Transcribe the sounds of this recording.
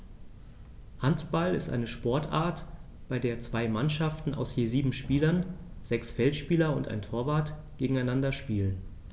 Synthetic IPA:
hantb̥alɪ̰stʔa̰ɪnəʃpɔɐtʔa̰ːɐt | b̥aɪdeːɐt͡sv̥aɪmanʃaftn̩ʔa̰ʊsjeːziːbm̩ʃpiːlɐnz̥ɛksfɛltʃpiːlɐʊ̰ntʔa̰ɪntʰoːɐvaːɐt | ɡ̥eːɡŋ̩aɪnandɐʃpiːlən

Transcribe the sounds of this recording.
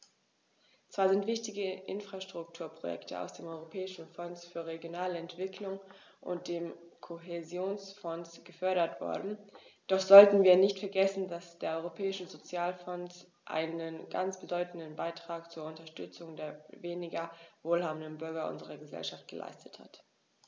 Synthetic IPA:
t͡sv̥aːɐzɪntv̥ɪçtɪɡəʔɪnfʁ̥aʃtʁ̥ʊk̚tʰuːɐpʁ̥ojɛ̰ktʰəʔa̰ʊsd̥eːmʔɔʏʁopʰɛːɪʃn̩fɔnsfyːɐʁeɡjonaːləɛntv̥ɪkʰlʊŋ | ʔʊ̰nt̚d̥eːmkʰoɦezjoːnsfɔnsɡ̥əfœɐɾɐtv̥ɔ̰ɐdn̩d̥ɔχz̥ɔltn̩viːɐnɪçtfɛɐɡɛsn̩dasd̥eːɐʔɔʏʁopʰɛːɪʃəzot͡sjaːlfɔns | ʔa̰ɪnənɡa̰nt͡sb̥ədɔʏtn̩dənbaɪtʁ̥aːkt͡suːɐʊntɐʃtʏt͡sʊŋdeːɐveːnɪɡɐvoːlɦaːbn̩dənbʏɐɡɐʔʊ̰nzəʁɐɡəzɛ̰lʃaft̚ɡ̥əlʔa̰ɪstə̥tha̰t

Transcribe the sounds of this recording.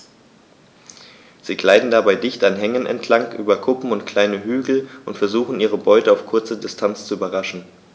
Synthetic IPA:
z̥iːɡlaɪdn̩dabaɪdɪçtanɦɛŋənɛ̰ntʰlaŋkʔyːbɐkʰʊpm̩ʊntkʰl̥aɪnəɦyːɡl̩ʊntfɛɐzuːxn̩iːʁ̞əbɔʏtəaʊfkʰʊɐt͡sədɪstʰant͡st͡suyːbɐʁaʃn̩

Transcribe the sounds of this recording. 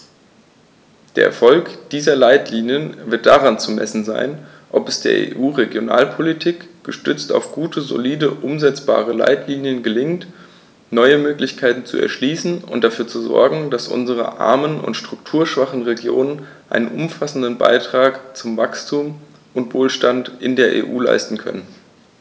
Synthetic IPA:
d̥eːɐʔɛ̰ɐfɔlkd̥iːzɐlaɪtliːnjənvɪɐt̚d̥aʁant͡sumɛ̰sn̩za̰ɪn | ʔɔpɛsd̥eːɐʔḛːʔuːʁeɡjona̰ːlpʰolitʰiːkɡ̥əʃtʏt͡sta̰ʊfɡ̥uːtʰəzo̰liːdəʔʊmzɛt͡sb̥a̰ːʁəla̰ɪtʰliːnjənɡəlɪŋt | nɔʏəmøːklɪçkʰaɪtn̩t͡sṵʔɛ̰ɐʃliːsn̩ʊ̰ntd̥afyːɐt͡suzɔ̰ɐɡŋ̩d̥asʔʊ̰nzəʁ̞ə̰ʔa̰ɐmənʔʊ̰ntʃtʁ̥ʊk̚tʰuːɐʃv̥aχn̩ʁeɡjo̰ːnən | ʔaɪnənʔʊmfasn̩dənba̰ɪtʁ̥aːkt͡sʊmvakstʰuːm | ʔʊntv̥oːlʃtantʔɪndeːɐʔḛːʔuːla̰ɪstn̩kʰœ̰nən

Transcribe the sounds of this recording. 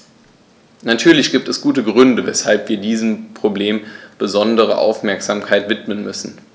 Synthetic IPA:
natʰyːɐlɪçɡ̥iːp̚tɛsɡ̥uːtəɡʁʏndəvɛshalpv̥iːɐdiːzəm̩pʁ̥obleːmb̥əzɔndəʁ̞ə̰ʔa̰ʊfmɛɐkz̥aːmkʰaɪtv̥ɪtmənmʏsn̩

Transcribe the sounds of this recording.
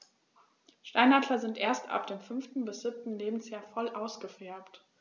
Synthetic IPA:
ʃtaɪnhatʰlɐzɪntʔeːɐsta̰p̚d̥eːmfʏnftn̩bɪsz̥ɪp̚tn̩leːbmn̩sjaːɐfɔlʔaʊsɡ̥əfɛɐpt

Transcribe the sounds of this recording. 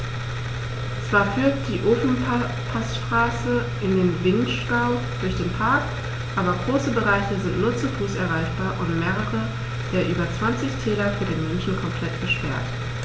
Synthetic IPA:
t͡sv̥aːɐfyɐktd̥iːʔoːfn̩ | pʰasʃtʁ̥aːsəʔɪndeːnvɪnʃɡ̥aʊ | d̥ʊɐçd̥eːnpʰaɐk | ʔaːbɐɡʁoːsəbəʁaɪçəzɪntnuːɐt͡sufuːsɛɐʁaɪçb̥aːɐʔʊntmeːʁəʁə | d̥eːɐʔyːbɐt͡sv̥ant͡sɪçtʰɛːlɐfyːɐdeːnmɛnʃn̩kʰɔmpl̥ɛtb̥əʃpɛɐt

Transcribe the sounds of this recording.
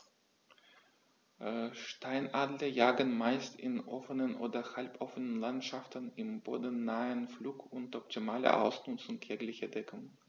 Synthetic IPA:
ʃtʰaɪnʔaːdləjaːɡənmaɪstʰɪnʔɔfənənʔoːdɐhalpʰʔɔfənənlantʃaftnɪmbo̰ːdn̩ːaːənfluːkʊntʔɔp̚tʰimaːlə̰ʔa̰ʊsnʊt͡sʊŋtʰjɛklɪçədɛkʰʊŋ

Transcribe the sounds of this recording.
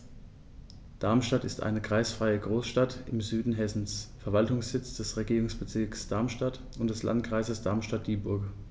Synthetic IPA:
d̥aɐmʃtatɪstʔa̰ɪnəkʁ̥aɪsfʁ̥aɪəɡʁoːsʃtatɪmzyːdn̩ɦɛsn̩sfɛɐvaltʊŋsz̥ɪt͡sd̥ɛsʁeɡiːʁʊŋsb̥ət͡sɪɐksd̥aɐmʃtat | ʊntd̥ɛsla̰ntkʁ̥aɪzəsd̥aɐmʃtat̚d̥iːbʊɐk

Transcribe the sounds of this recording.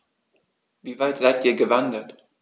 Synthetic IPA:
viːvaɪtz̥aɪtʔiːɐɡəvandət

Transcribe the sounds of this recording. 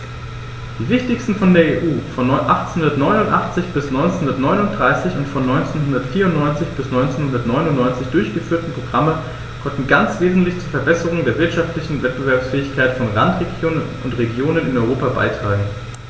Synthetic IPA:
d̥iːvɪçtɪçstn̩fɔndeːɐeːʔuːfɔnɔnʔaχtt͡snhʊndɐtnɔʏnʊntʔaχt͡sɪçb̥ɪsnɔʏnt͡senhʊndɐtnɔʏnʊnt̚d̥ʁaɪsɪçʊntfɔnːɔʏnt͡senɦʊndɐtfiːɐʊntnɔʏnt͡sɪçb̥ɪsnɔʏnt͡senhʊndɐtnɔʏnʊnnɔʏnt͡sɪçd̥ʊɐçɡ̥əfyːɐtn̩pʁ̥oɡʁamə | kʰɔntn̩ɡant͡sv̥eːzn̩tlɪçt͡suːɐfɛɐbɛsəʁ̞ʊŋdeːɐvɪɐtʃaftlɪçn̩vɛt̚b̥əvɛɐpsfɛːɪçkʰaɪtfɔnlantʁeɡjoːnənʊntʁeɡjoːnənɪnɔʏʁ̞oːpaba̰ɪtʁ̥aːɡŋ̩

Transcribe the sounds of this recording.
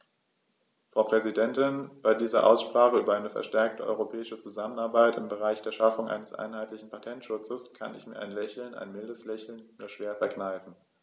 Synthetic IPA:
fʁ̥aʊpʁ̥ɛzidɛntɪnb̥aɪdiːzɐ̰ʔa̰ʊsʃpʁ̥aːχəʔyːbɐʔaɪnəfɛ̰ɐʃtɛɐk̚təʔɔ̰ʏʁopʰɛːɪʃət͡suzamənaɐbaɪtɪmbəʁ̞aɪçd̥eːɐʃafʊŋʔa̰ɪnəsʔa̰ɪnɦaɪtlɪçn̩pʰatʰɛntʃʊt͡səskʰa̰nɪ̰çmiːɐʔa̰ɪnlɛçl̩nʔa̰ɪnmɪldəslɛçl̩nmuːɐʃv̥eːɐfɛɐknaɪfn̩

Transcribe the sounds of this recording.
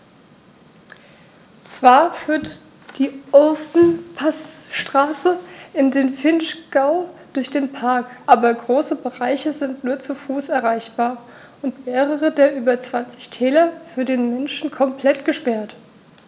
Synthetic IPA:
t͡sv̥aːɐfyːɐt | d̥iːʔɔfn̩pʰasʃtʁ̥aːsəʔɪndeːnfɪnʃɡ̥aʊd̥ʊɐçd̥eːnpʰaɐkʔaːbɐɡʁoːsəbəʁaɪçəzɪntnuːɐt͡sufuːsɛɐʁaɪçb̥aːɐ | ʔʊntmeːʁəʁədeːɐʔyːbɐt͡sv̥ant͡sɪ̥çtʰɛːlɐfyːɐdeːnmɛnʃn̩kʰɔmpʰl̥ɛtɡ̥əʃpɛɐt

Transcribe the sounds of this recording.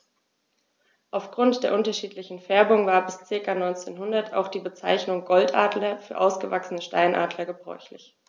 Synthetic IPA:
ʔaʊfɡ̥ʁʊntd̥eːɐʔʊntɐʃiːtlɪçn̩fɛɐbʊŋvaːɐbɪst͡sɪɐkanɔʏnt͡sḛːnhɦʊndɐtʰa̰ʊxd̥iːbət͡sa̰ɪçnʊŋɡɔltʔa̰ːdlɐfyːɐʔaʊsɡ̥əvaksənəʃta̰ɪnʔa̰ːdlɐɡəbʁɔ̰ʏçlɪ̰ç

